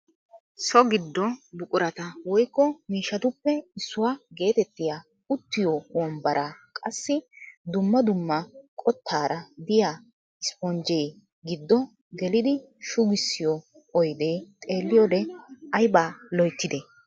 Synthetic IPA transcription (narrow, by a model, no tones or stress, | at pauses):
sɔɡɪd̪ːɔbʊkʼʊɾɐt̪ɐwɔjkːɔmiːʃːɐt̪ʊpːɛɪsːʊwaːɡe̞ːt̪ɛt̪ːɪjaː | ʊt̪ːɪjɔwɔmbɐɾʔakʼɐsːɪd̪ʊmːɐd̪ʊmːɐkʼɔt̪ːaːɾɐd̪ɪjaː | ɪspɔnd͡ʒɛj | ɡɪd̪ːɔ | ɡɛlɪd̪ɪ | ʃʊɡɪsːɪjɔː | jd̪e̞ːt̪ʼe̞ːlːɪjɔd̪ɛɐjbaːlɔjt̪ːɪd̪ɛ